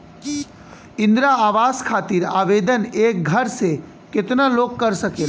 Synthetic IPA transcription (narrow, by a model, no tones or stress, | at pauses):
ɪ̃nd̪ɾaaːʋaskʰaːt̪iɾaːʋed̪əneːk̚ɡʱəɾse | kɪt̪nəloːkːəɾsəkel